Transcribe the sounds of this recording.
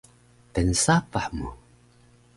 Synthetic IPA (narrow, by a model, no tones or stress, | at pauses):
tənsapaħmu